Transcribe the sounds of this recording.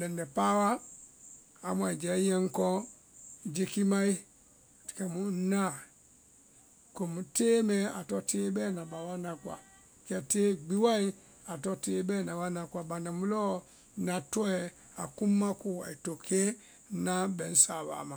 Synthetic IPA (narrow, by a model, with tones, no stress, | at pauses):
lɛ˨ndɛ˨pa˦wa˦ | a˨mwa˨i˨d͡ʒɛ˨˦jɛ˦ŋ̩˦kɔ˦˨ | d͡ʒe˦ki˦ma˦i˦ | tkɛ˨mu˨n̩˦na˦˨ | ko˨mu˨teː˦mɛ˦a̰˨tɔ˦tʰe˦bɛ˦na˨ba˨wa˦na˨kwa̰˨ | kɛ˨te˦ɡ͡bi˦wa˦i˦ | a˨tɔ˦te˦bɛ˦˨na˨wa˦na˨kwa˨ba˨na˨mu˦lɔ˦ | na˨tɔ˦ɛ˨ | a̰˨ku˦mːa˦ku˦˨a̰˨i˨to˨kʰe˦ | na˦bɛ˨n̩˦sa˨βa̰˨ma˨